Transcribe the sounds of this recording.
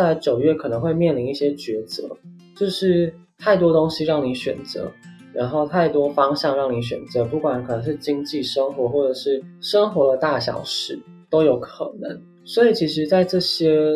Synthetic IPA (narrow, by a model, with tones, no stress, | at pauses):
a˥˧ɪt͡ɕjo˨˩ʊɥɛ˥˩kʰɤ˨˩nə˧˥ŋxwe˥˧ɪmjɛ˥˩nli˧˥ni˥˩ɕjɛ˥t͡ɕɥɛ˧˥t͡sɤ̰˧˥ | t͡ɕjo˥˧ʊʂɻ̩˥˧ | t̪ʰa˥˩ɪt̪wɔ˥t̪o˥ŋɕi˥ɻɑ˥˩ŋni˧˥ɕɥɛ̰˨˩nt͡sɤ̰˧˥˦ | ɻa̰˧˥nxo˥˧ʊt̪ʰa˥˩ɪt̪wɔ˥fɑ˥ŋɕjɑ˥˧ŋɻɑ˥˩ŋni˧˥ɕ̬ɥɛ̰˨˩nt͡sɤ˧˥pu˥˩kwa˨˩˦nkʰɤ˨˩nə˧˦ŋʂɻ̩˥˩t͡ɕi˥ŋt͡ɕi˥˩ʂə˥ŋxwɔ˧˥xwɔ˥˩ʈ͡ʂɤ˨˩ʂɻ̩˥˩ʂə˥ŋxwɔ˧˥lə˧t̪a˥˩ɕjɑ̰˨˩ʊʂɻ̩˥˩ | t̪o˥ʊjo˨˧˥ʊkʰɤ̰˨˩nə̰˧˥˦ŋ | swɔ˧˥i˨˩t͡ɕʰi˧˥ʂ̬ɻ̩˧˥t͡sa˥˧ɪʈ͡ʂɤ˥˩ɕjɛ˥